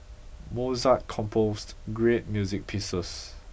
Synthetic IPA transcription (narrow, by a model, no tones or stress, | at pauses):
mozaʔkʰɔ̃mpʰostɡɹet̚mjuzik̚pʰisəs